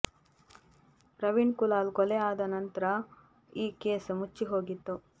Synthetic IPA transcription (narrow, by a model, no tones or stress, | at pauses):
ɾɐʋiɳkulaːlkɔlɛjaːd̪ɐnɐnt̪ɐɾɐ | iːkeːsmut͡ʃːiɦo̞ːɡit̪ːu